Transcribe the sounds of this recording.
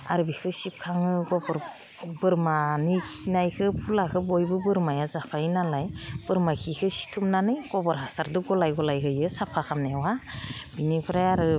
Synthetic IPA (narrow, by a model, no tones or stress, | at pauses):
a̰ɾɯbikʰɯsip̚kʰaŋɯɡɔbɔɾ | bɯɾmanikʰinajkʰɯpʰulakʰɯbɔjbɯbɯɾmajazapʰainalajb̥ɯɾmakʰikʰɯsi̥tʰumnanɯjɡɔbɔɾasaɾdɯɡɔlajɡɔlajhʰɯjɯsapʰakʰamnawab̥inipʰɯɾajaɾɯ